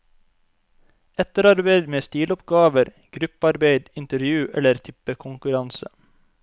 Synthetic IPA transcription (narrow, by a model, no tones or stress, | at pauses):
ɛt̪əɾɑɾbeɪd̪meːst̪iːlɔpɡɑːʋəɾ | ɡ̥ɾʉpɑɾbeɪd̪ɪnt̪əɾjʉːʔɛ̰ləɾt̪ʰɪpəkʰʊŋkʉɾɑnsə̰